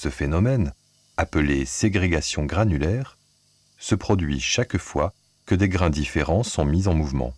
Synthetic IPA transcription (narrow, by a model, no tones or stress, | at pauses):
səfenɔmɛn | apleseɡʁeɡasjɔ̃ɡʁanylɛʁ | səpχɔd̪ɥiʃakfwa | kəd̪eɡʁɛ̃d̪ifeʁɑ̃sɔ̃mizɑ̃muvmɑ̰̃